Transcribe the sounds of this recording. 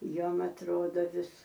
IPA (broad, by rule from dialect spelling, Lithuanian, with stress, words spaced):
ˈjuɔm ɐtˈroːdoː ˈʋʲɪs